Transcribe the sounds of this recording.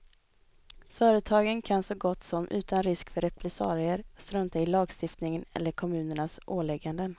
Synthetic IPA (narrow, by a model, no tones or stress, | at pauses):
fœːɾət̪ʰɑːɡənkʰansɔɡɔt̪ːsɔmʔʉ̟ːt̪ʰanɾɪskfœɾɛpʰlɛsɑ̰ːɾɪəɾst̪ɾɵnt̪ɛɪlɑːɡst̪ɪft̪nɪŋənɛ̰lːəɾkʰɔmʉ̟ːnəɳasʔoːlɛɡːand̪ən